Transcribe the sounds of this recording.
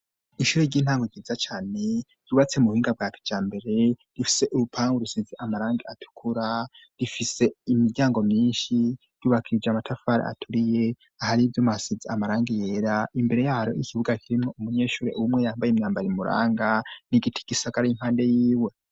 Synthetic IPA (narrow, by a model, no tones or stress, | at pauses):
iʃuːɾeɾɟiːn̥haːŋɡoɡiizat͡ʃaːne̞ | j̥uβat͡se̞muhiːŋɡab̚ɡaːtʰe̥d͡ʒ̥aːmbe̞ɾe̞ɾifi̥se̞ʔuɾupʰaːŋɡuɾusiziʔamaɾaːŋɡeatʰu̥kʰuɾa | ɾifise̞imiɾɟaːŋɡo̞mɲiːnʃi | ɾ̥uːβakʰiɾid͡ʒeamatʰafaːɾḛa̰tʰuɾije̞ | ahaɾivjomuasiziamaɾaːŋɡejeːɾaʔimbe̞ɾe̞jaːɾo̞ʔikiβuɡakʰiɾimŋo̞umuɲe̞ːʃuːɾe̞̰ʔuumŋe̞jaːmbajemɲaːmbaɾimuɾa̰ːŋɡaniɡitʰi̥ɡ̥isaɡaɾain̥haːnde̞jiːwe̞